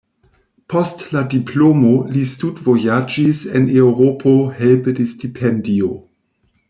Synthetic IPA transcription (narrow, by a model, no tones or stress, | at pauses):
pʰostladipʰlomolistudvojad͡ʒisenewɾopʰohelpədestipʰendio